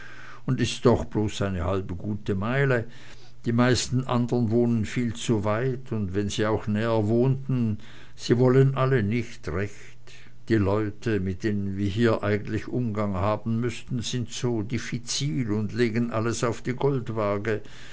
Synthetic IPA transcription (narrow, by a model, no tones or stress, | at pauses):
ʊndɪstd̥ɔχb̥loːsaɪnəhalbəɡuːtəmaɪlə | d̥iːmaɪstn̩ʔa̰ndəʁənvoːnənfiːlt͡suvaɪtʰʊntvɛnziːaʊxnɛːəvoːntn̩ | z̥iːvɔlənʔalənɪçtʁɛç | t | d̥iːlɔʏtʰəmɪt̚d̥eːnənviːɐɦiːɐʔaɪɡən̩tlɪçʔʊmɡaŋhaːbn̩mʏstn̩z̥ɪntz̥oːdifit͡siːlʊndleːɡənʔaləsaʊfd̥iːɡɔltvaɐɡə